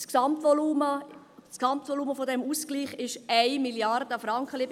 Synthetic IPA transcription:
sksɑmtvɔluːmə | sksɑmtvɔluːməfɔdɛmusɡ̥liːχɪʃaɪmiljard̥əfɾɑŋkəlɪ

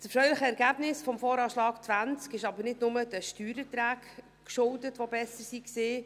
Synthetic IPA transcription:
t͡səfɾœɥləχəɛɾɡæːb̥nɪsfɔmfɔːɾɑːʃlɑːkt͡svænt͡skɪʃɑbəɾnɪdnʊməd̥əʃtyːɾət̪ɾæːk | kʃʊldətʋobɛsəɾsikseː

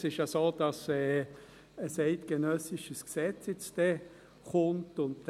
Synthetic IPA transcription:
sɪʃjasoːd̥ɑsɛː | əsɛɪtɡ̥ənœsɪʃəsksɛt͡sjɛt͡st̪ɛ | χʊntʊnt

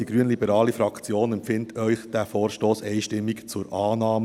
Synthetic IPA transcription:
d̥iɡɾyənlibəɾɑːlifɾɑkt͡sjoːnɛmpfɪntʰœʏχd̥æfoːɾʃtoːsɛɪʃtɪmːikt͡sʊɾʔɑːnɑːmə

